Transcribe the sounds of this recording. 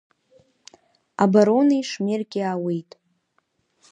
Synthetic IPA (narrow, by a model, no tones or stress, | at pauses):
abaɾonijʂmerkʲʼiawejtʼ